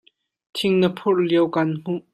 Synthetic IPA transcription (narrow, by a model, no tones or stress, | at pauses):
t̪ʰɪŋnəpʰʊrliəwkanm̥uʔ